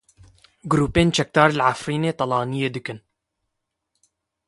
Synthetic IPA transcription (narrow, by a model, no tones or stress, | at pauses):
ɡʊɾuːpeːnt͡ʃɛk̚d̪ɑːɾlʕafɾiːneːt̪ˤɑlɑːnijeːd̪ɨkɨn